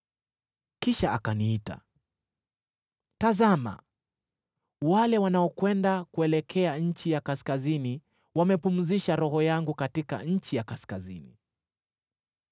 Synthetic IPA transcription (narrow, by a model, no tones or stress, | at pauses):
kiʃaakaniita̰ | tazama̰ | walɛwanaɔkwɛndakuɛlɛkʰɛaɲ̩t͡ʃijakaskazini | wamɛpum̩ziʃaɾɔɦɔjaŋɡukatika̰ɲ̩t͡ʃijakaskazinḭ